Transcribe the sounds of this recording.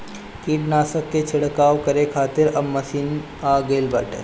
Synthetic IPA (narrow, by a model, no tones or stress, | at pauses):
kiːʈnaːsəkːet͡ʃʰɪɽkaːʋkɐɾekʰaːt̪ɪɾɐbːɐsiːn | aːɡɐɪlbaːʈə̰